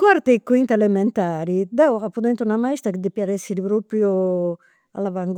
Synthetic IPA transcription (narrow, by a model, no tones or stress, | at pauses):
kwaɾt̪ekwint̪aelemɛnt̪aːɾid̪ɛapːud̪ɛnt̪unamaist̪ɾaked̪ipjaɾɛsiɾipɾopɾjo | a̰lavaŋɡ